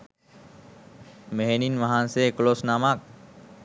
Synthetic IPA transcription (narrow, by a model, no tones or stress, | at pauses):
meɦɛninʋɐɦãːnsekloːsnaːmak̚